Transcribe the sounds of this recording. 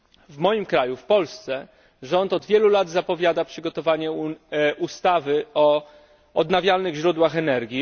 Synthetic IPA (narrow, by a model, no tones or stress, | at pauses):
vmɔjimkɾajufpɔlst̪sɛ | ʐɔnt̪ɔd̪vʲjɛlulad̪zapɔvʲjad̪apʂɘɡɔt̪ɔvaɲɛʔust̪avɘɔ | ɔd̪navʲjalnɘɣʑɾud̪waxɛnɛɾɡʲi